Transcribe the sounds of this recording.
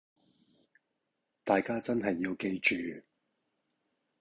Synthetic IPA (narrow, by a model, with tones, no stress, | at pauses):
t̪aː˨jkaː˥t͡sɐ˥nɦɐ˨jːiː˧wke˧jt͡ʃyː˨